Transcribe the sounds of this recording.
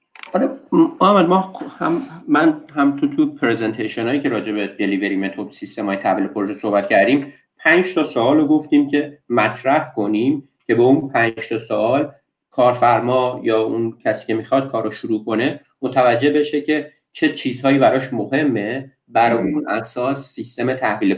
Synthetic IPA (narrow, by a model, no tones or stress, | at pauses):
ɒːɾeæmælmɒhæmːænhæmt̪ʰut̪ʰupʰɾezent̪ʰeʃonɒːjiːcʰe̞ɾɒːd͡ʒe̞be̞d̪e̞liːve̞ɾiːmet̪ʰobsist̪e̞mɒːjet̪ʰæviːlepʰoɾoʒeso̞hbæt̪cʰæɾd̪iːm | pʰænd͡ʒt̪ʰɒsoɒːloɡo̞ft̪iːmcʰʲe̞mæt̪ʰɾæhkʰo̞nim | cʰe̞beunpʰænd͡ʒt̪ʰɒsoɒːl | kʰɒːɾfæɾmɒːjɒːuncʲʰæsiːcʰemixɒːd̪̥̚kʰɒːɾoʃuɾuːkʰo̞ne̞ | mot̪ʰævæd͡ʒːebeʃecʰe̞ | t͡ʃʰe̞t͡ʃʰiːzhɒːjibæɾɒːʃmohe̞mːe̞ | bæɾɒːjunʔæ̰ɡsɒːssist̪e̞met̪ʰæhviːle